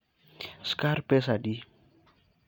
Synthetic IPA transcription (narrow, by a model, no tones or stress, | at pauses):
skaɾpɛsadi